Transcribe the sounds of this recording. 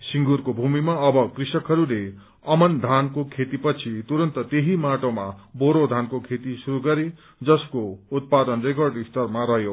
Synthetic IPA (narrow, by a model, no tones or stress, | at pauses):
siŋɡurkobʱumimaʌbʌkrisʌkɦʌɾule | ʌmʌnd̪ʱankokʰet̪ipʌt͡sʰit̪uɾʌnt̪ʌt̪eɦimaʈoma̰boɾod̪ʱankokʰet̪isuɾuɡʌɾi | d͡zʌskout̪̚pad̪ʌnrek̬ʌrɖist̪ʌrmaɾʌɦjo